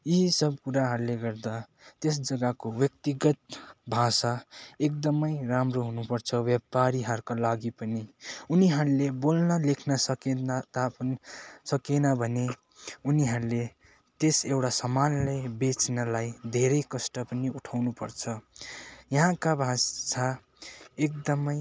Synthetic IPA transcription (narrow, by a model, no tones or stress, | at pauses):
jisʌbkuɾaɦʌɾuleɡʌrd̪a | t̪esd͡zʌɡakobjʌk̚t̪iɡʌt̪̚bʱasaek̚d̪ʌmʌjramroɦunupʌrt͡sʰʌbjʌpaɾiɦʌɾkalaɡipʌniuniɦʌɾulebolnʌlekʰnʌsʌkent̪a | sʌkenʌbʱʌne | uniɦʌɾule | t̪esewʈasʌmanlebet͡snʌlajd̪ʱeɾʌjkʌsʈʌpʌniuʈʰawnupʌrt͡sʰʌ | jʌɦãkabʱasa | ek̚d̪ʌmʌj